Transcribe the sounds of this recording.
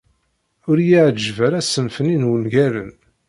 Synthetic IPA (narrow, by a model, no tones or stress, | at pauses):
ʊɾjiʕd͡ʒːvæɾæsəmfəninwənʝæɾən